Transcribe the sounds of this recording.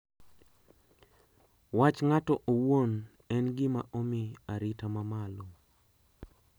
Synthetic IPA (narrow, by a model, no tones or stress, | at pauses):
wat͡ʃŋatɔʔowwon | ɛnɡɪmaʔomiaɾɪtamamalo